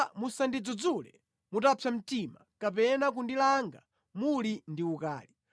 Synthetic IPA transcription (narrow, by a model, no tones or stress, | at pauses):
musandid͡zɔd͡zulɛ̰ | mutapʰjam̩timakapɛnak̬undilaŋɡa̰ | mulindiuka̰ːli